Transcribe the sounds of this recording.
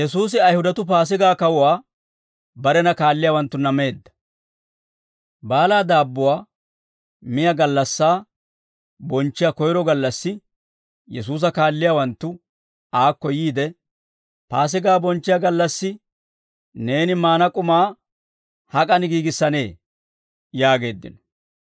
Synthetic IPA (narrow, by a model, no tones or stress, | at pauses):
jɛsuːsɪɐjhʊd̪ɐt̪ʊp̬aːs̬ɪɡaːkɐwʊwaː | bɐɾɛnɐkaːlːɪjaːwɐnt̪ːʊnɐme̞ːd̪ːɐ̥ | baːlaːd̪aːbːʊwaː | mɪjɐɡɐlːɐsːaː | bɔnt͡ʃːɪjakɔjɾɔɡɐlːɐsːɪ | jɛs̬uːs̬ɐkaːlːɪjawɐnt̪ːʊ | aːkːɔjiːd̪ɛ | paːs̬ɪɡaːbɔnt͡ʃːɪjaɡɐlːɐsːɪ | ne̞ːnɪmaːnɐkʼʊmaː | hɐkʼɐnɪɡiːɡɪsːɐne̞ː | jaːɡe̞ːd̪ːɪ̰nɔ̥